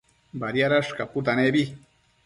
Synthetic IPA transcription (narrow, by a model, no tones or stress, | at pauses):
baɾjaɾaʂkaput̪̬anebi